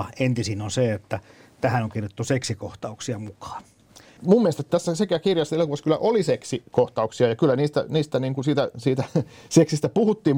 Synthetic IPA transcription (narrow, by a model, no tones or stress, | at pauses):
ɑent̪isinonseet̪ːæt̪æhænoŋkirjot̪ːuseksikoht̪ɑuksiɑmukɑ̥ːn | mumːielest̪et̪t̪æsːæsekæɑkirjɑsːelokuʋɑskylːˑæ̰ʔoliseksikoht̪ɑuksiɑjɑkylːˑæniːst̪æ̰niːst̪æniːŋkunsiːt̪æsiːt̪æseksist̪æpuhut̪ːiːm